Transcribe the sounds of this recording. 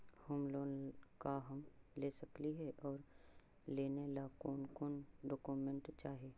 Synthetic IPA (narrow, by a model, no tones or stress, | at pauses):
hʊmloːnkaɦɐmleːsɐkliɦɛʔɔːɾ | leːnelaːkoːnkoːnɖɔːkumẽɳʈt͡ʃaːɦeː